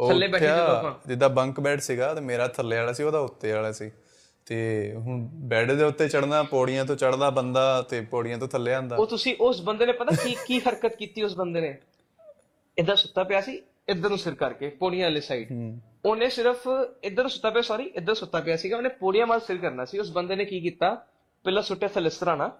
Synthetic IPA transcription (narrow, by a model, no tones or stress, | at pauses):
oːəlːeːbɛːʈːaːãːd͡ʒɪd̪aːbəŋkbɛːʈʰsiːɡaːt̪eːmeːɾaːt̪ʰəlːeːaːlaːsiːoːd̪aːʊt̪ːeːaːlaːsiː | t̪eːɦʊ̃bɛːɖd̪eːʊt̪ːeːt͡ʃəɽnaːpoːɽɪjãːt̪̬õːt͡ʃəɽnaːbənd̪aːt̪eːpoːɽɪjãːt̪õːt̪ʰəlːeːãːnd̪aːoːt̪ʊsĩːʔʊsbənd̪eːnẽːpət̪aːkikiːxəɾkət̪kiːt̪iːʊsbənd̪eːneː | ɪd̪əasʊt̪ːaːpɪjaːsiː | ɪd̪ənũːsɪɾkəɾkeːpoːɽijãːleːsaːiːʈ | oːnẽːsɪɾəpʰɪd̪əɾnũːsʊt̪ːaːpeaːsɔːɾiːʔɪd̪ːəɾ̃ːsʊt̪ːaːpɪjaːsiːɡaːoːnẽːpoːɽijãːmaːlsɪɾkəɾnaːsiːʊsbənd̪eːneːkiːkiːt̪aː | pɛlːaːsʊʈːjaːt̪ʰəlɪst̪əɾaːnaː